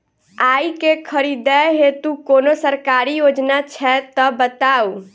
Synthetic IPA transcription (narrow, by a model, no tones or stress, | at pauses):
ajkekʰəɾid̪ɛɦet̪ukonosəɾkaɾijod͡ʒnat͡ʃʰɛt̪ɔbət̪aw